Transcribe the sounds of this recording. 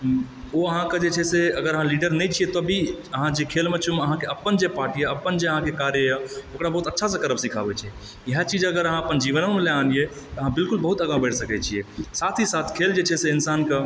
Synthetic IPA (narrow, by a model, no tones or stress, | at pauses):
oəɦãked͡ʒet͡ʃʰɛseəɡəɾəɦãliɖəɾnɛjt͡ʃʰijet̪ɔbʱiəɦãd͡ʒekʰelmet͡ʃʰumeəɦãkeəpːənd͡ʒepaɾʈijeəpːənd͡ʒeəɦãkekaɾjəjaokɾabəɦut̪ətːʃʰasẽkəɾəpsikʰabɛt͡ʃʰie | jəɦɛt͡ʃid͡ʒəɡəɾəɦãəpənd͡ʒiʋənəmeleanije | t̪ɔəɦãbilkulbəɦut̪əɡãbəɽsəkɛt͡ʃʰiesat̪ʰisat̪ʰkʰeld͡ʒet͡ʃʰɛseinsanke